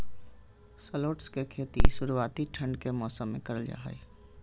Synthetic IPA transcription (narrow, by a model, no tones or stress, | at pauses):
səloːʈskekʰet̪isuɾuat̪iʈʰəɳɖkemɔːsəmːḛkəɾəld͡ʒa̰ɦə̰j